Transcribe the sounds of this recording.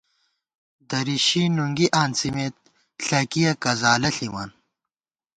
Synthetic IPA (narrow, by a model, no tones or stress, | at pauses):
d̪ɐɾiɕinuŋɡiʔaːnsimeːt̪̚ | ɬɐkijɐkɐzaːlɐɬima̰n